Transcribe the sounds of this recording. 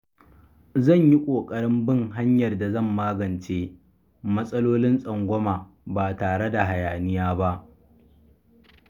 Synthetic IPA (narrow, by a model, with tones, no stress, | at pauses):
zɐ˦˨ɲji˦kʷʼoː˨kʼɐ˦ɽɪ˦mbɪ˦ŋɦa˦ɲjɐ˨rda˨zɐ˦˨mːaː˦ɡɐ˨nt͡ʃeː˦ | mɐ˦sʼɐ˦loː˦lɪ˦nsʼɐ˨ŋɡʷɔ˦maː˨ | baː˨taː˨ɽe˦da˨ɦa˨jaː˨nɪ˦jaː˦ba˦ʔ